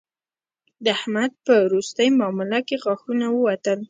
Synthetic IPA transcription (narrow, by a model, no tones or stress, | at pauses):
d̪əahmad̪̚pəwɾust̪əjmɑmɪlakeɣaxunawəwat̪əl